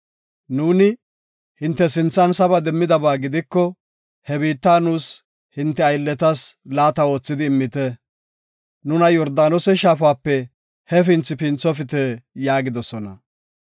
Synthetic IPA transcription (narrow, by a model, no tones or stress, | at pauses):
nuːnɪ | hɪnt̪ːɛsɪnt͡sːɐnsɐbɐd̪ɛmːɪd̪ɐbaːɡɪd̪ɪkːɔ | hɛbiːt̪ːaːnuːs | hɪnt̪ːɛɐjlːɛt̪ɐslaːt̪ɐo̞ːt͡sːɪd̪ɪːmːɪt̪ɛ | nʊnɐjɔɾd̪aːnɔsɛʃaːfaːpːɛ | hɛf̬ɪnt͡sːɪpɪnt͡sːɔfɪt̪ɛjaːɡɪd̪ɔsɔnɐ̰